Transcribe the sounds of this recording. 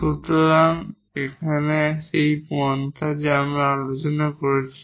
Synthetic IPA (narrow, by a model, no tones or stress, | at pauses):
sut̪lam | ekʰaneʃejpuɔnt̪ʰad͡ʑeamaalot͡ɕɔnakoɹet͡ɕʰi̥